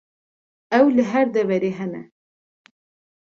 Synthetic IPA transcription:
ɛwlɨɦɛɾd̪ɛvɛɾeːɦɛnɛ̰

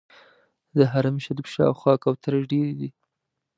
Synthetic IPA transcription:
d̪əɦaɾamʃad̪ipʃɑ̰wxwɑkawt̪aɾaʒɖeɾid̪i

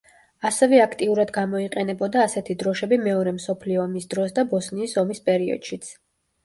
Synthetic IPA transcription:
asɛvɛakʰt̪ʼiuɾad̪ɡamɔiqʼɛnɛbɔd̪aːsɛt̪ʰid̪ɾɔʃɛbimɛɔɾɛmsɔpʰliɔːmisd̪ɾɔsd̪abɔsniːsɔmispʼɛɾiɔ̰d̪̥ʃit̪sʰ

